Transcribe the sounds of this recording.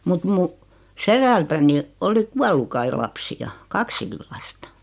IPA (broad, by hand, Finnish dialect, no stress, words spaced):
mut mu seɾæltæni oli kuɑlːu kɑi lɑpsiɑ kɑksikil lɑstɑ̥